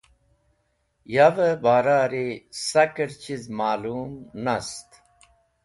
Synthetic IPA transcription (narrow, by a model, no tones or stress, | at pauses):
javəbaːɾaːɾisɐkəɾt͡ɕizmaːluːmnɐst̪